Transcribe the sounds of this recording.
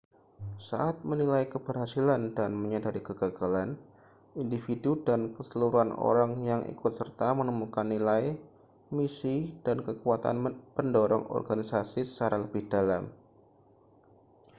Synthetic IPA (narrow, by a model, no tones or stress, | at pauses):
sa̰ʔat̪̚mənilajkəb̥ərhasilandanməɲadaɾikəɡaɡalan | indifidudankəsəluɾuano̰ɾaŋjaŋḭkʊt̪̚sərt̪amənəmukanːilaj | misid̥ankəkuat̪a̰npəndɔɾɔ̰ŋʔɔ̰rɡanisasisə̥t͡ʃaɾaləb̥ɪhd̥alam